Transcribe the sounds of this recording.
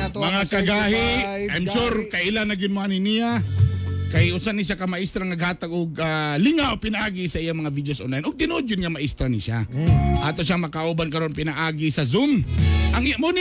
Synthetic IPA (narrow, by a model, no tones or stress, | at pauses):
mɐŋakɐɡaːhɪʔajmʃuɾkɐjʔɪlanːɐɡɪnanɪnija | kɐjʊsanɪʃ̬akɐmɐʔist̪ɾaŋnɐɡ̚haːt̪aɡoɡalɪŋaopɪnaʔaːɡɪsɐʔijaŋmɐŋavid̪josʔonlajnʔʊɡ̚t̪ɪnod̪ʊnɲamɐʔɪst̪ɾanɪʃa̰ʔat̪oʃ̬aŋmɐkaʔobankɐɾo̞npɪnɐʔaːɡɪsɐzʊmʔɐŋmon